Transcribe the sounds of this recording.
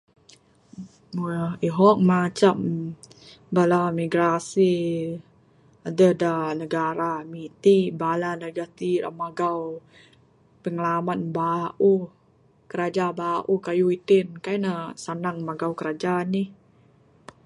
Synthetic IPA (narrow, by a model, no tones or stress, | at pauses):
iɦɔk̚mat͡ʃam | balamiɡɾasi | adədanəɡaɾamit̪ibalanəɡat̪iɾa̰maɡaw | pəŋəlamanbaʔu | kəɾad͡ʒabaʔukajuit̪inkajnəsanaŋmaɡawkəɾad͡ʒanih